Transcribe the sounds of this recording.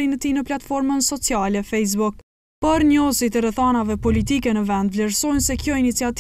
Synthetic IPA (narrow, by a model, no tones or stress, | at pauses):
ɾinət̪inəplat̪fɔɾmənsɔt͡sialɛfɛjs̬buk | pəɾɲɔsit̪ɛɾɛθanavɛpɔlit̪ikɛnəvɛnd̪vlɛɾsɔjnsɛkjɔinit͡siat̪